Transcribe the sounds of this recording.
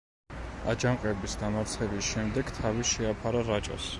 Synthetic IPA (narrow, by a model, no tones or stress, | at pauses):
ad͡ʒaŋqʼɛbisd̪amaɾt̪sʰχɛbisʃɛmd̪ɛɡt̪ʰaviʃɛapʰaɾaɾat͡ʃʼɔ̰s